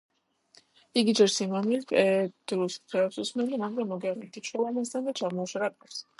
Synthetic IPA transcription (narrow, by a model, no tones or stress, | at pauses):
iɡid͡ʒɛɾsimamilkʼɛd̪̥ɾuskʰɾɛːpsusmɛldimaŋɡɾamːɔɡɛaɾɛmt̪ʰit̪ʃɔlamas̬t̪d̪ʰand̪at͡ʃʰamɔːʃaɾapʼɛps